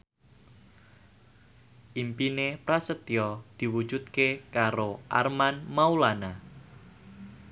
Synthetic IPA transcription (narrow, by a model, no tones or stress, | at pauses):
ʔimpinepɾasət̪iɔd̪̥i̤wu̥d͡ʒut̪̚kekaɾoʔa̰rmanmaulana